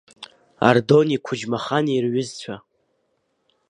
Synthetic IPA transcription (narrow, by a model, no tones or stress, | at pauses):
a̰rdo̞nikʷʰʊd͡ʒmaχanirɥʏzt͡ɕʷʰa